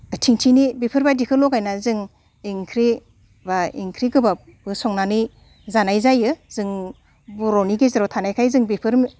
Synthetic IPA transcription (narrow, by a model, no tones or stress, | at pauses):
tʰiŋtʰinibipʰɯɾbadikʰɯlɔkajnazɯŋ | iŋkʰɾi | baḭŋkʰɾiɡɯba | b̥ɯsɔŋnanɯj | zanajzajɯzɯŋ | buɾɔniɡezaɾɔtʰanajkʰajzɯŋbipʰɯɾm